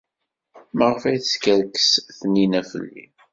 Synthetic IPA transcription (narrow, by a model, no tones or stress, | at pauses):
məʁəfæjθəskəɾkə̥sθninæfə̰lːḭ